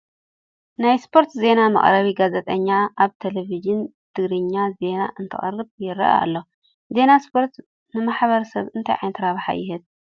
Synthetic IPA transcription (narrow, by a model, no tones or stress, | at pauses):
najspʰo̞ɾt̪ze̞namɐ̰χʼɾɐβiɡazet̪ʼɐɲːaaβt̪ʰeleviʒɨn | t̪ʰɨɡɾɨɲːaze̞naʔɨnt̪ʰɨ̰χʼɐ̰rːɨβjɪɾɐ̰ʔa̰a̰lːo | ze̞naspʰo̞ɾt̪ | nɨmaħβɐɾɐsɐβɨnt̪ʰajʕa̰jnt̪ʰɨɾaβħa̰jɪɦɨt̪̚